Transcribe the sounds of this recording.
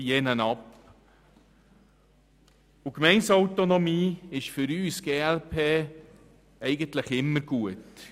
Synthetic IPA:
jɛnənɑp | ukmɛɪnsɔwtonɔmiːɪʃfʏɾyːsɡ̥eːælpʰeː | ɛɪɡəntləχɪmːəɾɡ̥uət

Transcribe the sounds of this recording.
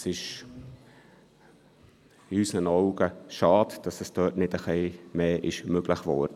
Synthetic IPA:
sɪʃ | ɪysnənɔʊɡ̥əʃɑːtd̥ɑsɛsd̥œːtnɪtəχɛɪmeːʔɪʃmøɡ̥ləχʋɔːd̥ə

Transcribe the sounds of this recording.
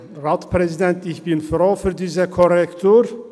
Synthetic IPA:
ʁaːtpʁɛzidɛntɪçb̥ɪnfʁoːfyːɐdiːzəkʰɔʁɛktʰuːʁ

